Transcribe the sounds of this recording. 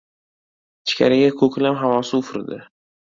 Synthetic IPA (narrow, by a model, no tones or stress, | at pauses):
t͡ʃʰɪ̥kʲa̰ɾaɡʲakʰɵkʲlamɦavɒsɪʊfɾd̪ɪ